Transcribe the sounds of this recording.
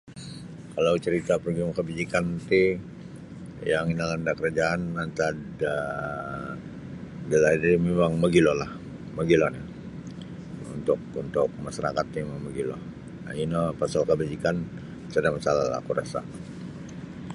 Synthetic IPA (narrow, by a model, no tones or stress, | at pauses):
kalawt͡ʃəɾit̪apərɡiumkəbid͡ʒikant̪i | jaŋinalandakəɾad͡ʒaːnant̪ada | dəlaidimemaŋməɡilɔlah | məɡilɔna | ṵnt̪ʊk̚unt̪ʊk̚masaɾa̰kat̪̚ːemaŋməɡilɔ̰h | a̰inɔpasalkəbad͡ʒikan | sadamasalala̰kuɾa̰sa̰